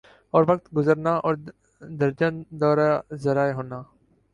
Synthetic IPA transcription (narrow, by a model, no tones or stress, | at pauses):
ɔːɾʋək̚t̪ɡʊzəɾnaːʔɔːɾ | d̪əɾd͡ʒənd̪ɔːɾazəɾaːjɦoːnaː